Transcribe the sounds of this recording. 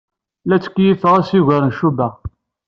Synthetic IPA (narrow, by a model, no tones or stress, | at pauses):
læt͡sːkːjifəʁæsiʝəɾənʃubæ